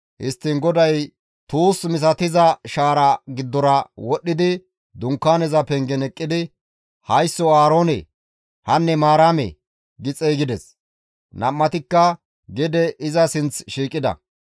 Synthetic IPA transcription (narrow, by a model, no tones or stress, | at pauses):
hɪst̪ːɪŋɡɔd̪ɐj | t̪uːsmɪs̬ɐt̪ɪzɐʃaːɾɐɡɪd̪ːɔɾɐwɔɗːɪd̪ɪ | d̪ʊŋkːaːnɛzɐpɛŋɡɛnɛkʼːɪd̪ɪ | hɐjsːɔaːɾoːnɛ̰ | hɐnːɛmaːɾaːmɛ̰ | ɡɪt͡sʼɛɡɪd̪ɛs | nɐmːɐt̪ɪkːɐ | ɡɛd̪ɛʔɪzɐsɪnt͡sʃiːkʼːɪd̪ɐ̰